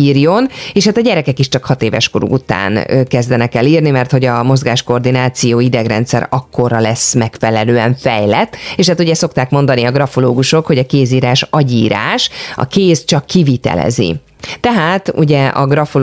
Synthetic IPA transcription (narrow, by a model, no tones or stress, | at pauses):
iːrjo̞neːʃhaːt̪ɒɟɛɾɛkɛkiʃt͡ʃɒkhɒt̪eːvɛ̰ʃko̞ɾṵut̪a̰ːnkɛzd̪ɛnɛkɛliːrnimɛrt̪ho̞ɟɒmo̞zɡaːʃko̞rd̪inaːt̪sijoːid̪ɛɡrɛ̰nt̪sɛ̰ɾɒkːo̞rɒlɛsmɛkfɛlɛløːɛɱfɛjlɛt̪ːeːʃhaːt̪uɟɛso̞kt̪aːkmo̞nd̪ɒniɒɡrɒfoloːɡuʃo̞kho̞ɟɒkeːziːɾaːʃɒɟiːɾa̰ːʃɒ̰keːst͡ʃɒkːivit̪ɛ̰lɛ̰zḭ | t̪ɛɦaːt̪uɟɛɒ̰ɡrɒfo